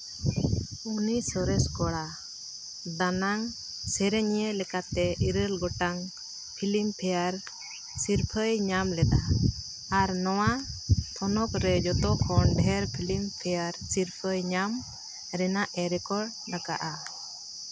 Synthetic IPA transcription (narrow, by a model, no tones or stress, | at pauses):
unisɔɾɛskɔɽa | d̪anaŋ | sɛɾɛɲjelɛkat̪ɛʔiɾəlɡɔʈaŋ | pʰilimpʰɛjaɾ | siɾpʰəjɲamlɛd̪a | aɾnɔwat̪ʰɔnɔkɾɛd͡ʒɔt̪ɔkʰɔnɖʱɛɾpʰilimpʰɛjaɾsiɾpʰəjɲam | ɾɛnaʔɛɾɛkɔɖ̚ | naka̰ʔa